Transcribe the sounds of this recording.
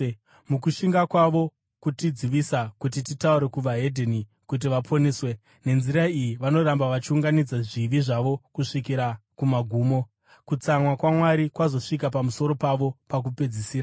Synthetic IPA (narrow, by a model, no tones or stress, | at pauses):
mukuʃiŋɡakwaʋo̞ | kutid͡ziʋisakutititauɾe̞kuʋaɦe̞dʱeni | kut̬iʋapʰo̞neːswe̞ | ne̞nziɾaijiʋano̞ɾambaʋat͡ʃiuŋɡanid͡zaʐiʋiʐaʋo̞kuʂikiɾakumaɡʱuːmo̞ | kut͡samwakwamwaɾikwazo̞ʂik̬ap̬amuso̞ɾo̞paʋo̞pak̬upe̞d͡zisiːɾa